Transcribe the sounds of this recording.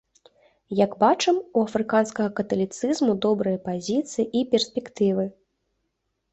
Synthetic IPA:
jɐɡbat͡ʂɛmuɐfɾɨkanskɐɣɐkɐt̪ɐlʲit̪sɨzmud̪ɔbɾɨjɐpazʲit̪sɨjiʔipʲɛrsʲpʲɛkt̪ɨvɨ

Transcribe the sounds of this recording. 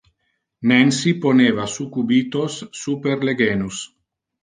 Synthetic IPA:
nɛnsiponeːvasukubiːt̪osːupeɾleɡeːnus

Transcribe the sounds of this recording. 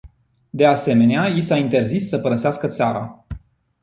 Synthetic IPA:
d̪e̞ase̞me̞neajisaint̪e̞rzisːəpəɾəseaskət̪saɾa̰

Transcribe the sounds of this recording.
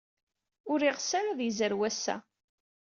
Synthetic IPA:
ʊɾiʁsaɾaðjzəɾwæsːæ̰

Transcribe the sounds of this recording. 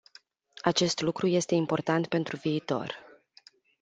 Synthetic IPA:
at͡ʃe̞st̪lukɾuje̞st̪e̞impo̞rt̪ant̪̚pe̞nt̪ɾuviːt̪o̞̰r

